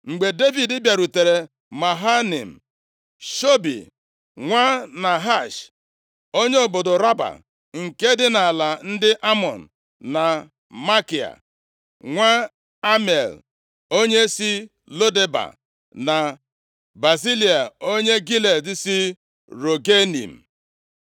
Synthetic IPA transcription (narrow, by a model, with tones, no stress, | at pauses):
ŋ͡m̩˨ɡ͡be˨de˦vi˨dɪ˦bja˨ɾu˨te˨ɾe˨ | ma˨ɦa˦nḭ˨m̩˨ | ʃo˦bḭ˨ | ŋʷa˦na˨ɦa˦˨ʃ | o˦ɲe˦o˨bʊ˨dʊ˨ɾa˦ba̰˨ | ŋ̩˨ke˦dɪ˦na˨a˨la˨n̩˦dɪ˦ʔa˦mɔ˨n̩˨ | na˨ | ma˦ki˨a̰˨ | ŋʷa˦ | a˦me˨l | o˦ɲe˦si˦ | lo˦de˦ba̰˨ | na˨ | ba˨zi˦li˨a˨o˦ɲe˦ɡi˦le˨dɪ˦si˦ | ɾo˨ɡe˦nḭ˨m̩˨